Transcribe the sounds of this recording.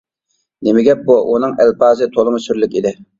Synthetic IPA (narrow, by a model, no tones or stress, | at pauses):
nemɪɡʲɛp̚buʔunɨŋɛlpɑːzɨt̪ʰolˠɨmʊsyɾlykʲid̪ɪ